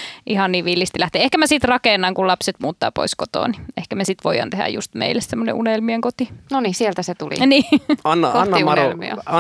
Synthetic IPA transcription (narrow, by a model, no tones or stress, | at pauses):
ʔihɑnniːʋʋilːist̪ilæht̪eːehkæmæsit̪rɑkeˑnːɑŋkulɑpset̪muːt̪ːɑ̰ːpo̰iskot̪o̰ːnniʔehkæmæsit̪ʋojˑɑ̰nt̪ehæ̰jjṵst̪mḛilːessemːonḛʔunelmieŋkot̪inonisielt̪æset̪ulḭniːɑnːɑkoɑnːinelmḭo̰ɑ